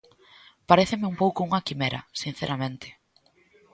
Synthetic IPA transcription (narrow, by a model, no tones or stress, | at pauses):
paɾeθɪmɪumpowkʊuŋɐkimeɾɐ̰sin̟θeɾamẽnt̪ʰɪ̥